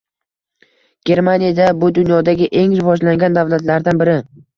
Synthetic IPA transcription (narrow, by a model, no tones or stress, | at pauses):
ɡ̥ʲe̞ɾmanijad̪abʊd̪ʊnjɒd̪aɡʲɪʔe̞ŋɾɪvɒd͡ʒlaŋɡʲand̪avlat̪laɾd̪anbɪɾɪ